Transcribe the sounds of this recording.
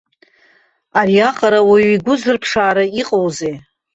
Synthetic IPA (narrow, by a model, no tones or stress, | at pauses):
ariaqʼaɾawaiɡʷʊzɨrpʰʂaːɾaiqʼowzej